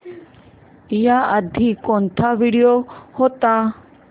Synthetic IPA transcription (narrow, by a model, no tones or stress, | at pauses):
ijaəd̪ʱiːkont̪ʰaːʋiɽijohot̪aː